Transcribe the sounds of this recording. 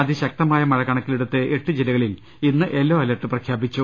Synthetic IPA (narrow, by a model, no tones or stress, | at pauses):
ɐðiɕɐk̚t̪ɐmaːjɐmɐɻɐkɐɳɐkːileɽut̪ːɨʔeʈːɨd͡ʑilɐɣɐɭil | inːɨʔe̞lːoːɐlɐʈːɨprɐkʰjaːbit͡ɕːu